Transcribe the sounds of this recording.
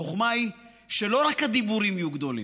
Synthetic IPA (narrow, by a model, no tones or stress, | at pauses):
oχmai | ʃe̞lo̞ɾakhad̪ibuɾimijuɡd̪o̞lḭ